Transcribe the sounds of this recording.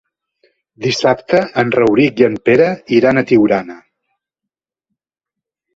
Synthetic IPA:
d̪isapt̪əːnrəwɾikjənpeɾəiɾanət̪iwɾanə

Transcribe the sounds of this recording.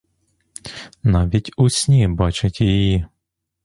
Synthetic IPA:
nɑʋʲitʲusʲnʲibɑt͡ʃɪtʲjiji

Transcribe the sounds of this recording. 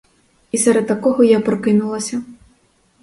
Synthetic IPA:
isɛɾɛd̪̚t̪ɐkɔɦɔjapɾɔkɪnulˠɐsʲɐ

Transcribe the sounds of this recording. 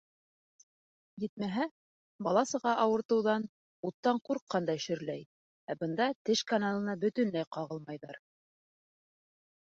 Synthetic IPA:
jɘt̪̚mæɦæ | bɑlˠɑsɤ̆ʁɑʔɑwɤ̆ɾt̪ɤ̆wðɑn | ut̪ːɑɴquɾqːɑnd̪ɑʃɵ̆ɾlæj | æbɤ̆nd̪ɑt̪ɘʃkanalˠɤ̆nɑbɵ̆t̪ɵ̆nlæjqɑʁɤlˠmɑjðɑ̰ɾ

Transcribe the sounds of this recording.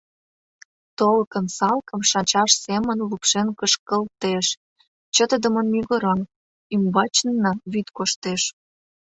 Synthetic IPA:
t̪olkə̆nsɑlkə̆mʃɑnt͡ɕɑʃsemə̆nlupʃenkəʃkəlt̪eʃ | t͡ɕət̪əd̪ə̆mə̆nmyɣəɾɑn | ymbɑt͡ɕnnːɑβyt̪koʃt̪eʃ

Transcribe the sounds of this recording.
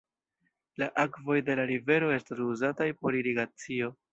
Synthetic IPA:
laʔakvo̞jde̞laɾive̞ɾo̞e̞stasuzatajpo̞ɾiɾiɡat͡sio̞

